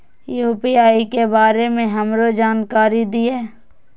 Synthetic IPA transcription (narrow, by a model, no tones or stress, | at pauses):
juːpiaːikebaːɾemẽɦɐmɾod͡ʒaːnkaːɾid̪ieː